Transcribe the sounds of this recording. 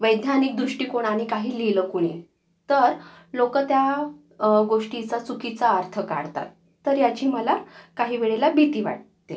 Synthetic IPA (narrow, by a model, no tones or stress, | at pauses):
ʋəjd̪janik̚d̪ɾuʂʈiːkoɽ̃aɽ̃ikaɦiːliləːkuɽ̃e | t̪əɾlokət̪ja | ɡoʂʈit͡sat͡sukit͡saːɾt̪ʰəka̰ɽt̪a̰t̪ː | əɾjat͡ɕiːməlakaɦiːʋeɭelabit̪iːʋa̰ʈt̪e